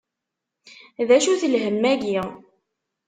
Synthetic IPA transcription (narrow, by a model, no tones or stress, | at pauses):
ðæʃuθəlɦəmːæʝi